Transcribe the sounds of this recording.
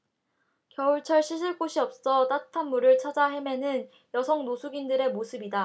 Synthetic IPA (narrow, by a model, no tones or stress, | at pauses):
kjʌuɭt͡ɕʰʌɭɕʰiɕʰiɭk͈oɕʰiʌp̚s͈ʌt͈atʰanmuɾɯɭt͡ɕʰad͡ʑaɦe̞me̞nɯn | jʌsʰʌŋnosʰuɡindɯɾe̞mosʰɯbida